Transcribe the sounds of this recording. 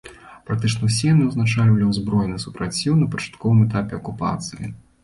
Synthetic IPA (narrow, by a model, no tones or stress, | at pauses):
pɾak̚t̪ɨt͡ʂnɐwsʲɛjnɨɐwznat͡ʂalʲvɐlʲiwzbɾɔjnɨsu̥pɾat͡sʲːiwnɐpɐt͡ʂḁt̪kɔvɨmɛt̪apʲɛɐkupa̰t̪sɨjḭ